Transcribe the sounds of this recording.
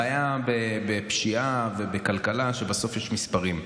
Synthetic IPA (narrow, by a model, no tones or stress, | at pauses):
ajabebepʃiave̞bekalkalaʃe̞baso̞fjɛʃmispaʁim